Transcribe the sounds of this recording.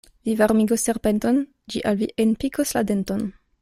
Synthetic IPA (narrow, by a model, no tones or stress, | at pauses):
vivaɾmiɡosːeɾpenton | d͡ʒiʔalviʔenpikʰosla̰denton